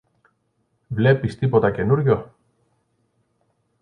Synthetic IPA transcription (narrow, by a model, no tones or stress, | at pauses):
vlepist̪ipot̪ɐcenuɾʝo